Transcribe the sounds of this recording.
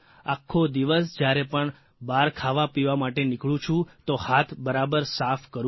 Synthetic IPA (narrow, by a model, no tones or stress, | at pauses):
akʰːod̪iʋəsd͡ʒjaɾepəɳ | baɾkʰaʋapiʋamaʈenɪkɭũt͡ʃʰũt̪ohat̪ʰbəɾabəɾsafkəɾ